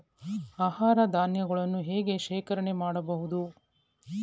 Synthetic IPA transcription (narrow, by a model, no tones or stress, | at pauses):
aːɦaːɾɐd̪ʱaːnjɐɡɐɭɐnːuɦeːɡe̞ʃeːkɐɾɐɳe̞maːɽɐbɐɦud̪u